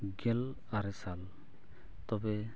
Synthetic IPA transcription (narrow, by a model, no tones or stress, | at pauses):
ɡɛl | aɾɛsal | t̪ɔbɛ